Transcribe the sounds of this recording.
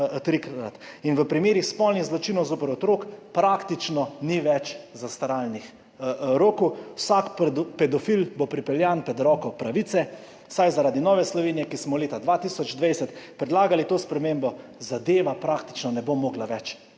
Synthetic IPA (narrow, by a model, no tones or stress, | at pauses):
t̪ɾikɾad̪ɾa̰t̪inʋəpɾimeːɾixspɔlnixzlɔt͡ʃinɔwzoːpəɾɔt̪ɾoːkpɾakt̪it͡ʃnɔniʋɛt͡ʃzast̪aɾalnix | ɾoːkuwsakpɛd̪ɔfilbopɾipɛljanpɾɛd̪ɾɔːkɔpɾaʋit̪sɛ | sajzaɾaːd̪inɔːʋɛslɔʋeːnijɛkismɔleːt̪ad̪ʋat̪isɔd͡ʒd̪ʋejsɛt̪pɾɛd̪laːɡalit̪oːspɾɛmembɔzad̪eːʋapɾakt̪i̥t͡ʃnɔnɛbomoːɡlaʋɛt͡ʃ